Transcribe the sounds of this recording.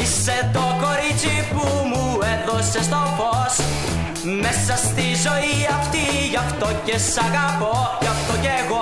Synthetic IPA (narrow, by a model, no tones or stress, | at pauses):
iset̪o̞ko̞ɾit͡sipumueðosest̪o̞fos | mesɐst̪izo̞iɐft̪i | ʝɐft̪o̞ce̞sɐɣɐpo̞ʝɐft̪oceɣo̞